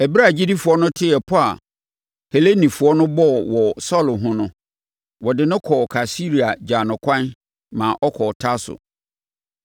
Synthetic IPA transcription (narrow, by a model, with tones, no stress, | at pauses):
ɛ˨bɾa˦˨d͡ʑi˦di˦fu˨ɔ˦nʊ̃˦tʰɪ˦ɛ˨pʰʊ˦a̰˨ | he˨le˦nĩ˨fʊ˨ɔ˦nʊ̃˦bɔ˦˨wɔ˨sɔ˦˨lʊ˨ɦʊ̃˦nʊ̃˦ | wɔ˨dɪ˨nʊ̃˦kʰɔ˨kʰa˨si˦ɾi˨a˨d͡ʑaː˨nʊ̃˨kʰʷã˦n | mãː˨ʔɔ˦kʰɔ˨tʰa˦sʊ̰˨